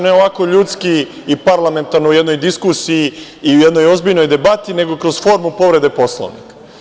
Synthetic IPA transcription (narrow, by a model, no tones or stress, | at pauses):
neo̞ʋako̞ʎuːt̪skiː | paɾlˠame̞nt̪aɾnoujed̪no̞jd̪iskusiji | iujed̪no̞jo̞zbiʎno̞jd̪e̞bat̪ine̞ɡo̞kɾo̞zfo̞ɾmupo̞ʋɾe̞d̪epo̞slˠo̰ʋnḭka